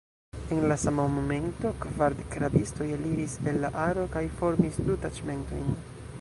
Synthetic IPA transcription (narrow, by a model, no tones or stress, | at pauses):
enlasamamome̞nto̞kvaɾdekɾabisto̞jaliɾise̞lːaʔaɾo̞kajfo̞ɾmisdutat͡ʃme̞nto̰jn